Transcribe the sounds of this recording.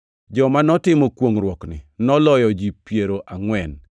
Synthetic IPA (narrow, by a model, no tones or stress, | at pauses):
d͡ʒɔmanɔtɪmɔkwoŋɾwɔknɪ̰nɔlɔjɔd͡ʒipjeɾoʔaŋwɛn